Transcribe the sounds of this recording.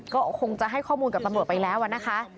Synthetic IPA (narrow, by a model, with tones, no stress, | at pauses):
kɔː˥˩kʰo˧ŋt͡ɕa˨˩ɦa˥˩jkʰɔː˥˩muː˧nka˨˩p̚t̪ɾt̪̚pa˧jlɛː˦˥wʔa˨˩na˦˥kʰa˦˥ʔ